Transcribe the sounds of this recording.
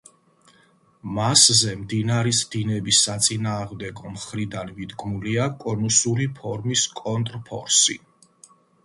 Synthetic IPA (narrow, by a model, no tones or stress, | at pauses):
maszɛmd̪inaɾisd̪inɛbisːat̪sʼinaːʁmd̪ɛɡɔmχɾid̪anmid̪ɡmuliakʼɔnusuɾipʰɔɾmiskʼɔnt̪ʼɾpʰɔ̰ɾsi